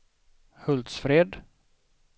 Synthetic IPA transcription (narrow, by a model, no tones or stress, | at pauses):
hɵld̪sfɾeːd̪